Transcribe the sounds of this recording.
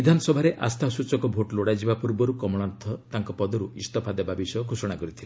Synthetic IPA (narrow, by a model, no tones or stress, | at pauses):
id̪ʱanɔsɔbʱaɾeʔast̪ʰasut͡ʃɔkɔbʱoʈloɽajd͡ʒibapuɾbɔɾukɔmɔɽ̃ant̪ʰɔt̪aŋkɔpɔd̪ɔɾuist̪ɔpʰad̪abʱabisɔɡʱosɔɽ̃akɔɾit̪ʰile